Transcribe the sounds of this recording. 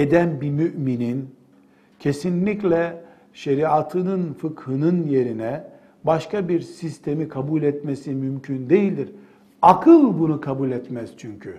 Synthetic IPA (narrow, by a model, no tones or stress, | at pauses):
ed̪ænbimyʔminin | cʰe̞sinlʲiclʲɛ | ʃeɾiat̪ʰɯnɯnfɯkhɯnɯnje̞ɾinɛ | baʃkabiɾsist̪ʰe̞mikʰabulʲɛt̪mesimymcʰynd̪e̞jilʲd̪iɾ | akʰɯlˠbunukʰabulʲɛt̪mɛz̥t͡ʃʰyɲcʰy